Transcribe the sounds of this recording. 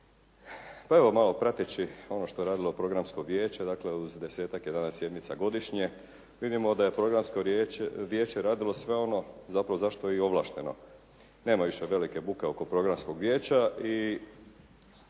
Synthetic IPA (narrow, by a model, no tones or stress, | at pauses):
pae̞ʋo̞malˠo̞pɾat̪it͡ɕio̞no̞ʃt̪o̞e̞ɾaːd̪ilˠo̞pɾo̞ɡɾamsko̞ʋje̞ːt͡ɕe̞d̪aːkle̞uzd̪e̞se̞ːt̪akjed̪anasje̞d̪mit̪saɡo̞d̪iʃɲe | ʋid̪imo̞d̪aje̞pɾo̞ɡɾamskoɾeʋje̞ːt͡ɕe̞ɾaːd̪ilo̞sʋe̞o̞no̞zapɾaʋozaʃt̪o̞jeio̞ʋlˠa̰ʃt̪e̞no̞̰ | ne̞ːmaʋiʃeʋe̞like̞bukeo̞ko̞pɾo̞ɡɾamsko̞ɡʋjeːt͡ɕai